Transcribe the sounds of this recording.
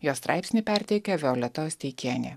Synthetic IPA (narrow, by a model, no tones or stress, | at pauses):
joːst̪ɾʔɑɪpʲsʲnʲɪpʲɛɾʲt̪ʲiɛkʲɛʋʲɛoːlʲɛt̪osʲt̪ʲɛɪkʲiɛnʲḛ